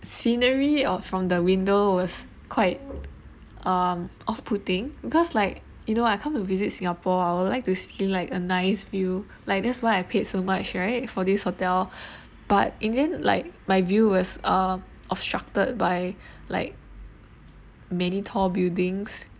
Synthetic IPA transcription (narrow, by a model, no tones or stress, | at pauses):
sĩnəɹiɔfɹɔ̃mdəwĩndowɔs | kʰwaɪt̚ | ʔʌmʔɔfpʰutɪ̃ŋbikɔslaɪk̚ | junoaɪkʰãmtuvizit̚sĩŋapɔaɪwudlaɪk̚tustillaɪkənaɪsvju | laɪk̚dɛtswaɪaɪpʰetsomat͡ʃɹaɪt̚fɔdishotɛl | b̥at̚ʔɛ̃ndɛ̃nla̰ɪk̚maɪvjuwɔsʌ | ʔɔb̥stɹ̥ak̚təd̚baɪla̰ɪk̚ | mɛnitʰɔbildɪ̃ŋs